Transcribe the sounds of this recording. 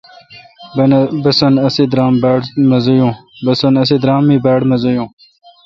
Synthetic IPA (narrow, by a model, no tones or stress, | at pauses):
bɐsɐnɐsid̪ɾaːmbaːɽmɐzujũːbɐsɐnɐsid̪ɾaːmːiːbaːɽmɐzojũː